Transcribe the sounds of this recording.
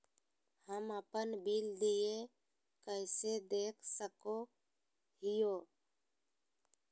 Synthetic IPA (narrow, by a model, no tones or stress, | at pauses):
həməpənbild̪ije | kəɪsed̪eːkʰsəko | ɦɪjoː